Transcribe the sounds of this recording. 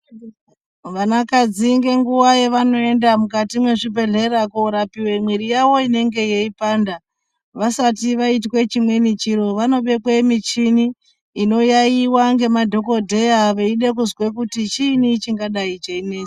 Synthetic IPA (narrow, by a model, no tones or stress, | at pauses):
ʋanakad͡ziŋɡe̞ŋɡuwajeʋano̞e̞ndamukatimwe̞ʐibʱe̞ɮe̞ɾakoɾapiwe̞mwiɾijawo̞ine̞ŋɡe̞jeipaːnda | ʋasatiʋaitwe̞t͡ʃimwe̞nit͡ʃiɾo̞ʋano̞ɓe̞kwe̞mit͡ʃiniː | no̞jaiwaŋɡe̞madʱo̞ko̞dʱe̞jaʋeiɗe̞k̬uzwe̞kutit͡ʃiːnit͡ʃiŋɡaɗait͡ʃeine̞ːi